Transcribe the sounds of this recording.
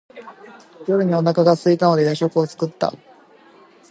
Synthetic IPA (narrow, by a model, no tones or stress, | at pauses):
jo̞ɾɯ̟ɲ̟io̞nakaɡasɨit̪ano̞d̪e̞jaɕo̞kɯ̟o̞t͡sɨ̥kɯt̪ːa̰